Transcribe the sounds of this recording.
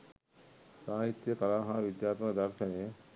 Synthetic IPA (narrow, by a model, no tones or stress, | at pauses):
saːɦit̪ːjəkɐlaːɦãːʋid̪jaːɾt̪unɐd̪ɐɾt̪ʰɐne